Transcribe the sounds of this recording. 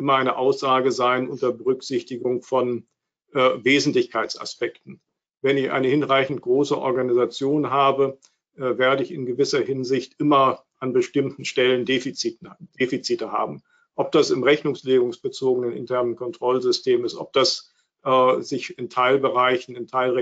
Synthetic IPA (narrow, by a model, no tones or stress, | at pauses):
ʔɪmɐaɪnəʔaʊsz̥aːɡəzaɪnʔʊntɐbəʁʏkz̥ɪçtɪɡʊŋfɔn | ʔveːzn̩tlɪçkʰaɪt͡sa̰spɛktn̩ | vɛnɪçʔa̰ɪnəhɪnʁaɪçn̩t̚ɡ̥ʁoːsəʔɔ̰ɐɡanizat͡sjoːnɦaːbə | ʔɛːveːɐdəɪçɪnɡəvɪsɐhɪnzɪçtʔɪmɐʔanbəʃtɪmtn̩ʃtɛləndeːfit͡sit̩d̥eːfit͡siːtəha̰ːbm̩ | ʔɔp̚d̥asɪmʁɛçnʊŋsleːɡʊŋsb̥ət͡soːɡənənɪ̰ntʰɛɐnənkʰɔntʁ̥ɔlzʏstʰeːmɪstʔɔ̰p̚d̥as | ʔzɪçɪntʰaɪlbəʁaɪçn̩ɪntʰaɪlʁɛ